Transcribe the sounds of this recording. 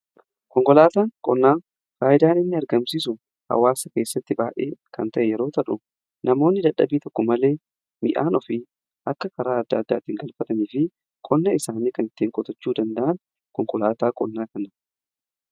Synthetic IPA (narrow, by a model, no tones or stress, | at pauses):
kɔŋkʼɔlaːt̪aːkʼɔnːaː | faːʔɪd̪aːnɪnːɪɐɾɡɐmsiːsʊ | hɐ̰wːaːsɐke̞ːsːɐt̪ːɪbaːʔḛːkɐnt̪ɐʔɛjɛɾo̞ːt̪ɐᶑʊ | nɐmo̞ːnːɪd̪ɐᶑɐbiːt̪ɔkːɔmɐle̞ː | mɪʔaːnɔfɪ | ʔɐkːɐkɐɾaːɐd̪ːa̰ːd̪ːa̰ːt̪ɪŋɡɐlfɐt̪ɐniːfɪ | kʼɔnːɐɪsaːniːkɐnɪt̪ːiːŋkʼɔt̪ɐt͡ʃːuːd̪ɐnd̪ɐʔɐn | kɔŋkʼɔlaːt̪aːkʼɔ̰nːaːkɐnɐ